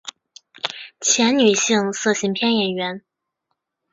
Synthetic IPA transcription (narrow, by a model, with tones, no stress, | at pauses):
t͡ɕʰjɛ˧˥nny˨˩ɕi˥˧ŋsɤ˥˩ɕi˧˥ŋpʰjɛ˥˩njɛ˨˩nɥɛ˧˥n